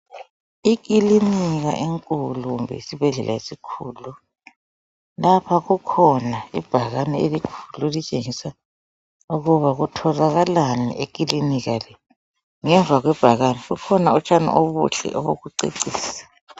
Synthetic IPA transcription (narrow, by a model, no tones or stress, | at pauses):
ik̬iliniɣa̰ʔeŋkʼuluɣumbʱɛ̰isibʱɛɮɛlʔa̰esikʰuːlu | lapʰaɣukʰɔnaḭb̥ʱaɣanielikʰu̥lulit͡ʃʼeŋisa | uɣuβaɣutʰɔzaɣalanḭʔek̬ʼiliniɣalɛ | ŋɛɱvʱaɣwɛb̥ʱaɣaniɣukʰɔnaɔt͡ʃʰʼana̰ʔoβṵɬɛ̰ʔɔβoɣuǀḛǀiːsḁ